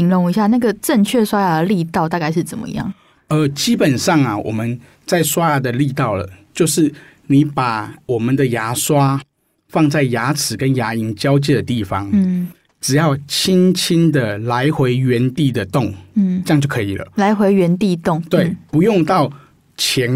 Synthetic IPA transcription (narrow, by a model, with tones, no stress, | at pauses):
i˧˥ŋlʊ˧˥ŋi˧˥ɕja˥˧˩na˥˩ɡə˩ʈ͡ʂə˥˧nt͡ɕʰɥɛ˥˧swa˥ja˨˧˩d̪ə˨li˥˧t̪ɑ˥˧ʊt̪a˥˧ka˥˧ɪʂ̬ɻ̩˥˩t͡sə˨˩mə̰˦ḭ˧jɑ̰˥˩ŋ | ə˧˦t͡ɕi˦pə˨˩nʂɑ˥˩ŋa˩wʔɔ̰˨˩mə˦n | t͡sa˥˩ɪswa˦˥a˧˩d̪ə˨li˥˧t̪ɑ˥˩ʊlə̰˩t͡ɕjo˥˧ʊʂɻ̩˥˩ | ni˨˦pa˨˩wɔ˨˩mə˨˦nd̪ə˨ja˧˥swa˦ | fɑ˥˧ŋt͡sa˥˩ɪja˧˥t͡sʰɹ̩˨˩kə˦nja˧˥i˧˥nt͡ɕjɑ˥ʊt͡ɕjɛ˥˩d̪ə˩t̪i˥˩fɑ˦ŋ̩˥˩ | ʈ͡ʂɻ̩˨˩jɑ˥˩ʊt͡ɕʰi˥nt͡ɕʰi˥nd̪ə˨la˧˦˥ɪxwe˧˥ɪɥɛ˧˥nt̪i˥˩d̪ə˨t̪ʊ˥˩ŋ̩˥˩ə˥jŋt͡ɕjo˥˩ʊkʰɤ˧˦i˨˩lə̰˩˦la˧˥ɪxwe˧˥ɪɥɛ˧˥nt̪i˥˧t̪ʊ˥˩ŋt̪we˥˩ɪpu˧˦jʊ˥˧ŋt̪ɑ˥˩ʊ | t͡ɕʰjɛ˧˥n